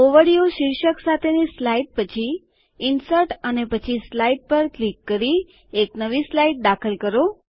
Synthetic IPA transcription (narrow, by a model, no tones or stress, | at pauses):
oʋəɽijoʃɪɾʃəksat̪ʰenislaiʈ̚pət͡ʃʰi | ɪnsəʈənepət͡ʃʰislaiʈ̚pəɾklikːəɾi | eknəʋislaiʈ̚d̪akʰəlkəɾo